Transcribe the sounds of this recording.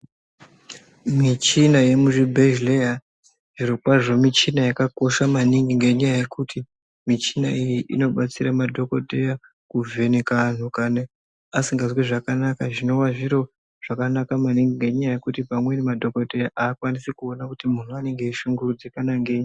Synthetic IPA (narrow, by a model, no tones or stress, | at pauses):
mit͡ʃinaje̞muʐibʱeʒleja | ʐiɾokwaʐo̞mit͡ʃinajakako̞ʃamaniŋɡiŋɡe̞ɲajaje̞kuti | mit͡ʃinaijiʔḭno̞ɓat͡siɾamadʱo̞ko̞teja | kuvʱe̞nekan̤ukane | asiŋɡazwiʐakanakaʐino̞waʐiɾo̞ | ʐ̥akanakamaniŋɡiŋɡe̞ɲajaje̞kutipamwe̞nemadʱo̞ko̞tejaʔaːkwanisikuonakutimun̤uane̞ŋɡe̞iʃuŋɡurud͡zikanaŋɡeːɲi